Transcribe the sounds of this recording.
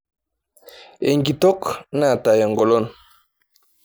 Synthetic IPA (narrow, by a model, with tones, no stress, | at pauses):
ḛ˨ŋɡi˨tɔ˦kna˦˨ta˨ja˨ŋɡɔ˨lɔ˦˨n